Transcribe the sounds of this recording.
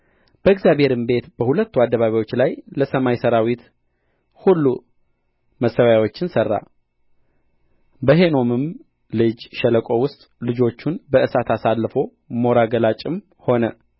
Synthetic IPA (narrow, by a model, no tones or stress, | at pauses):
b̥əɨɡzjaβhe̞ɾɨmbe̞t̪b̥əhulət̪ːuad̪ːəβaβawo̞t͡ʃːlajləsəmajsəɾawit̪ | hulːu | məsːəwjawo̞t͡ʃːɪnsərːa̰ | bəɦe̞no̞mɨm | lɨd͡ʒʃələkʼo̞wʊst̪ʼlɨd͡ʒo̞t͡ʃːunbəʔɨsat̪ʰasalːfo̞ | mo̞ɾaɡəlat͡ʃʼːɪm | ho̞nə